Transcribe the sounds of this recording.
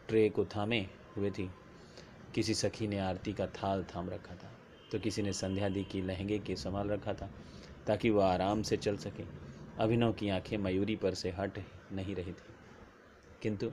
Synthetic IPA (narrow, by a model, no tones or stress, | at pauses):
ʈɾeːkot̪ʰaːmẽ | ɦʊet̪ʰi | kɪsisɐkʰineaːɾt̪ikat̪ʰaːlt̪ʰaːmɾɐkʰːat̪ʰaː | t̪okɪsinesɐ̃nd̪ʱjaːd̪ʱikilɐɦɛ̃ŋɡekesɐmaːlɾɐkʰːat̪ʰaː | t̪aːkiʋoaːɾaːmset͡ʃɐlsɐkeːɐbʱɪnokiãːkʰẽmɐjuːɾipɐɾseɦɐʈnɐɦĩɾɐɦit̪ʰiː | kɪ̃nt̪u